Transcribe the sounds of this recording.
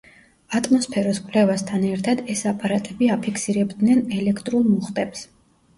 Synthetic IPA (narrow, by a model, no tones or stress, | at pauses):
at̪ʼmɔspʰɛɾɔskʼwlɛvast̪ʰanɛɾt̪ʰad̪ɛsapʼaɾat̪ʼɛbiapʰikʰsiɾɛbd̪nɛnɛlɛkʰt̪ʼɾulˠmuχt̪ʼɛps